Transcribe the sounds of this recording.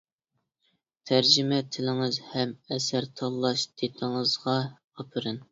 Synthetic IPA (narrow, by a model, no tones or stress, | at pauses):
t̪ʰæɾd͡ʒɪmɛt̪ʰɪlɪŋɨzhɛmɛsæɾt̪ʰɑlˠːɑʃd̪̥ʰet̪ʰɪŋəzʁɑ | ɑpʰɨɾɨn